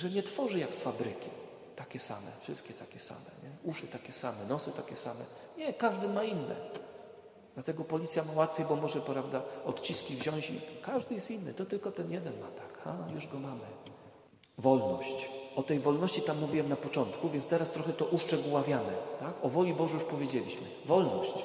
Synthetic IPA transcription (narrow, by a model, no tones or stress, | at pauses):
ʐɛɲɛt̪fɔʐɘjaksfabɾɘkʲi | t̪akʲɛsa̰mɛ̰fʂɘst̪kʲɛt̪akʲɛsa̰mɛ̰ɲɛuʂɘt̪akʲɛsamɛnɔsɘt̪akʲɛsamɛ̰ | ɲɛkaʐd̪ɘmainːɛ̰ | d̪lat̪ɛɡɔpɔlʲit̪sʲjamawat̪fʲjejbɔmɔʐɛpɾavd̪aɔt̪t͡ɕiskʲivʑɔ̃w̃ɕḭkaʐd̪ɘjɛst̪inːɘ̰t̪ɔt̪ɘlkɔt̪ɛnjɛd̪ɛnmat̪ḁkxa̰juʐɡɔmamɘ | vɔlnɔɕt͡ɕɔt̪ɛjvɔlnɔɕt͡ɕit̪amːuvʲiwɛmnapɔt͡ʂɔnt̪kuvʲjɛnt̪st̪ɛɾast̪ɾɔxɛt̪ɔʔuʂt͡ʂɛɡuwavʲjanɛt̪akɔvɔlʲibɔʐɛjuʂpɔvʲjed͡ʑelʲḭɕmɘ̰vɔlnɔɕt͡ɕ